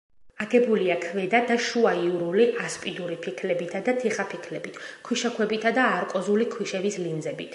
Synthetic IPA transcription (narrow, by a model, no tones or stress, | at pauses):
aɡɛbuliakʰvɛd̪ad̪aʃuaiuɾuliʔaspʼid̪uɾipʰikʰlɛbit̪ʰad̪at̪ʰiχapʰikʰlɛbit̪ʰkʰwiʃakʰwɛbit̪ʰad̪aːɾkʼɔzulikʰwiʃɛvislimd̪zɛbit̪ʰ